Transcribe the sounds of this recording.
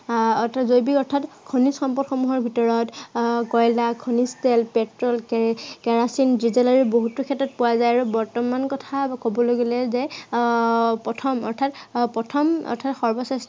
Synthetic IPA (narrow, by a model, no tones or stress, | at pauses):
ɔtʰazojbikɔɹtʰatkʰonisxɔmpɔdxɔmuɦɔɹbʱitɔɹɔtkɔjlakʰonistɛlpɛtɹɔlkkɛɹasindɹizɛlaɹiboɦutukʰɛtɹɔt̚pʊwazajaɹubɔɹtɔmankɔtʰakobɔloɡilɛzɛ | pɔtʰɔmɔ̰ɹtʰatpɹɔtʰɔmɔ̰ɹtʰatxɔɹbɔsest